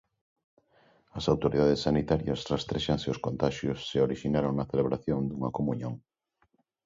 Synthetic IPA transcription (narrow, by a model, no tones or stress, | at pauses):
ɐsawt̪oɾiðaðesːanit̪aɾjɐsrest̪ɾeʃaŋseoskont̪aʃjosːeoɾiʃinaɾoŋnɐθeleβ̞ɾaθjond̪uŋɐkomuɲõŋ